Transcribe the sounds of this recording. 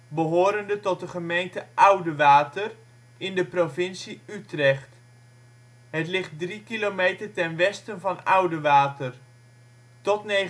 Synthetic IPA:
bəɦʊːɾəndətɔt̚dəχəmejntəʔʌwdəʋaːtər | ɪndəprovɪnsiytrɛχt | ɦətlɪχt̚drikilowmejtərtɛnʋɛstənvɑnʌwdəʋaːtər | tɔtnej

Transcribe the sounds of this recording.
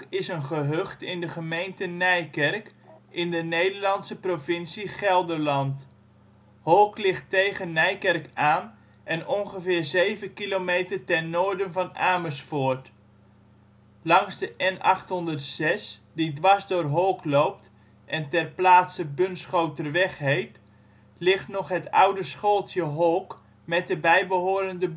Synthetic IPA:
ɪsənχəɦøχtɪndəχəmejntənɛjkɛrk | ɪndənejdəɹlɑntsəprovɪnsiχɛlˠdəɹlɑnt | hɔlˠklɪχtejχənːɛjkɛrkaːn | ʔɛnʔɔŋχəvɪːɹzejvənkilomejtərtɛnːoːɹdənvɑnaːməsfʊːɹt | lɑŋzdəʔɛnʔɑχtɦɔndərtsɛsdidʋɑzdʊːrɦolˠklowp̚t | ʔɛntɛrplaːtsəbɵnsχowtərʋɛχɦejt | lɪχtnɔχɦətʌ̰wdəsχolˠtjəɦolˠk | mɛt̚dəbɛjbəɦoːɾəndəb

